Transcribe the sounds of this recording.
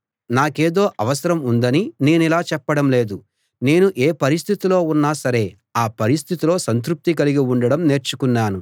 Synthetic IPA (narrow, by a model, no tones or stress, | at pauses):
naːke̞ːd̪o̞ːʔɐʋɐsɐɾɐmund̪ɐnine̞ːnilaːt͡ʃɛpːɐɽɐmle̞ːd̪u | ne̞ːnuʔeːpɐɾist̪ʰit̪ilo̞ːunːaːsɐɾe̞ː | aːpɐɾis̬t̪ʰit̪ilo̞ːsɐnt̪̬ɾup̚t̪ikɐliɡiuɳɖɐɽɐmne̞ːɾt͡ʃukunːaːnu